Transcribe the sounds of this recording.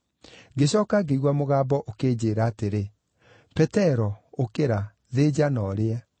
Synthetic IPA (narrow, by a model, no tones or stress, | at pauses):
ɡeɕɔːkaɡeiɣwamoɣaːbɔʔokeːd͡ʑeɾaːteɾe | pɛtɛɾɔokeɾa | ðed͡ʑanɔɾeɛ